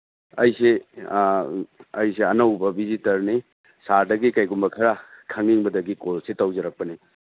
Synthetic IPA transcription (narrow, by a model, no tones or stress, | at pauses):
ɐjse | ɐjseɐnɐwbɐbʱizitɐɾni | saɾdɐɡikɐjɡumbɐkʰɐɾakʰɐŋiŋbɐdɐɡikolsetawzɐɾɐk̚pɐni